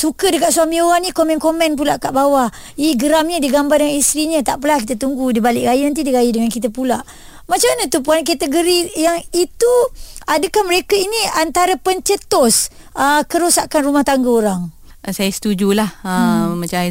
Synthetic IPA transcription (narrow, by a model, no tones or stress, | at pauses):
sukədəkat̪suamĩoɣaŋnĩkomɛnkomɛnp̬ulaʔkaʔbawa | iɡəɾamɲədiɡambardəŋanist̪ɾiɲə̃t̪aʔpəlahkit̪ət̪uŋɡudibalɪʔɡajinant̪̬idiɡajidəŋankit̪apulaʔ | mat͡ʃamanat̪up̬uank̬at̪əɡoɾijaŋit̪uadəkahməɾekəiniant̪aɾəpəɲt͡ʃət̪ɔs | ʔəkəɾosakanrumaht̪aŋɡəoɾaŋ | sajasə̥t̪ud͡ʒulahəmat͡ʃa